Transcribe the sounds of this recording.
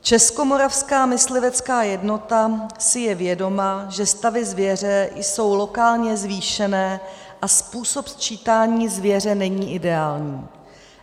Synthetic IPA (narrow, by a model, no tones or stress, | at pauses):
t͡ʃɛsko̞mo̞ɾafskaːmɪslɪvɛt͡skaːjɛdno̞t̪asɪjɛvjɛdo̞maʒɛst̪avɪzvjɛr̝ɛjso̞wlo̞kaːlɲɛzviːʃɛnɛː | ʔaspuːso̞pst͡ʃiːt̪aːɲiːzvjɛr̝ɛnɛɲiːʔɪdɛaːlɲiː